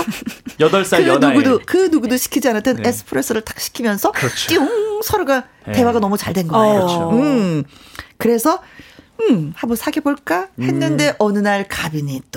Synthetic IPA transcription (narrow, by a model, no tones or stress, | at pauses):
jʌdʌɭs͈aɯnɡudokɯnuɡudoɕʰi̥kʰid͡ʑianaɭt͈enes͈ʰɯ̥pʰɯɾe̞s͈ɯɾɯɭt͈ḁk̚ɕ͈ʰi̥kʰimjʌnsʰʌt͡ɕʰt͈iuŋsʰʌɾuɡa | te̞waɡanʌmut͡ɕaɭdwe̞nɡʌoɯ | kɯɾe̞sʰʌɯmhabonsʰaɡeboɭk͈ahe̞nːɯnde̞ʔʌnɯnaɭkabiɲit͈o